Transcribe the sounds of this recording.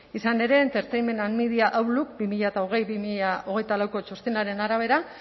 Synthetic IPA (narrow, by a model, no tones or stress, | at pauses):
isane̞ɾe̞ːnt̪eɾt̪ejme̞nanmiðiaʔawluk̚bimiʎaet̪aoɣ̞e̞jβimiʎao̞ɣe̞jt̪alawko̞t͡ʃost̪inaɾe̞naɾaβ̞e̞ɾa